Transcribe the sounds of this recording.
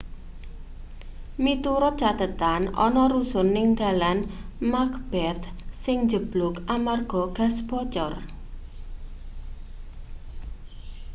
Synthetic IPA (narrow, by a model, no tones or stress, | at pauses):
mit̪uɾʊt͡ʃat̪ət̪anɔ̰nɔɾusʊnːɪŋd̪a̤lanmakb̥ɛt̪sɪŋd͡ʒəb̥lʊkamarɡ̥ɔɡ̥a̤sb̥ɔt͡ʃɔr